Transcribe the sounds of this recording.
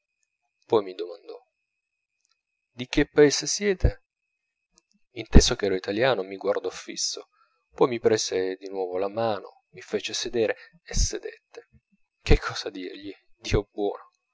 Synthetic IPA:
pɔjmid̪omand̪ɔ | d̪ik̟epːaeːsesjɛːt̪ʰe | int̪ɛsokɛːɾoit̪aljaːnomiɡward̪ɔfḭsːo | pɔjmipɾeːz̥ed̪inwɔːvolamaːno̰ | mifeːt͡ʃesed̪eːɾe | esːed̪et̪ːe̥ | k̟ekʰːɔːsad̪iːɾʎid̪̥iːobwɔ̰ːno

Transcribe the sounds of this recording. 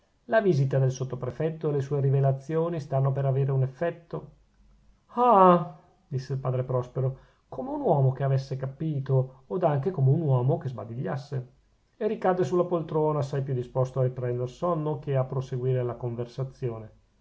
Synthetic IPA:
laviːzit̪ad̪elsot̪ːopɾefɛt̪ːoelesuːeɾivelat̪sːjoːnist̪anːopeɾaveːɾeunefːɛt̪ːo | a | d̪isːeilpaːd̪ɾepɾɔspeɾo | komeunwɔːmokeavesːekapiːt̪oːd̪aŋkekomeunwɔːmokezbad̪iʎːasːe | erikad̪ːesulːapolt̪ɾoːnaːsːajpjud̪ispost̪oaripɾɛnd̪ersonːokʰeapːɾoseɡwiːɾelakoɱversat̪sːjoːne

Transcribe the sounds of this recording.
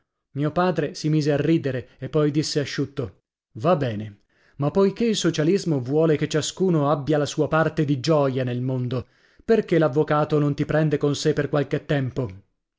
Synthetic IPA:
miːopaːd̪ɾesimiːzearːiːd̪eɾeepːɔjd̪isːeaʃːut̪ːo | vabɛːne | mapːojkeilsot͡ʃalizmovwɔːleket͡ʃːaskuːnoabːjalasuːapart̪ed̪id͡ʒɔːjanelmond̪o | perkelavːokaːt̪onont̪ipɾɛnd̪ekonsepːerkwalket̪ːɛmpo

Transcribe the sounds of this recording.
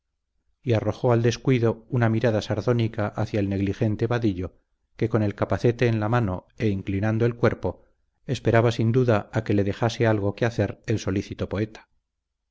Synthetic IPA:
iaro̞xo̞ald̪e̞skwiðo̞unamiɾaðasaɾðo̞nikaʔaθjaelne̞ɣlixe̞nt̪e̞βaðiʎo̞ | ke̞ko̞ne̞lkapaθe̞t̪e̞ːnlamano̞ | e̞iŋklinand̪oe̞lkwe̞ɾpo̞ | e̞spe̞ɾaβasind̪uðaake̞leðe̞xase̞alɣ̞o̞keaθe̞ɾelso̞liθit̪o̞po̞e̞t̪ḁ

